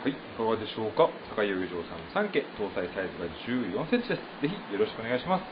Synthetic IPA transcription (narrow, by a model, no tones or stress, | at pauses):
haiːkaɡad̪e̞ɕo̞ːkasakaioːiʑo̞ːsãnːosãŋke̞t̪o̞ːsaisait̪oɡad͡ʑɨːjõ̞ɰ̃sẽt͡ɕid̪esɨ̥ze̞çʲijo̞ɾo̞ɕi̥kɯonaiɕimasɨ̥